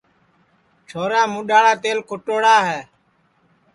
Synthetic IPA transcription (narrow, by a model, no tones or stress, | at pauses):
t͡ʃʰoːɾaːmũːɗaːɽaːt̪eːlkʰʊʈoːɽaːɦɛː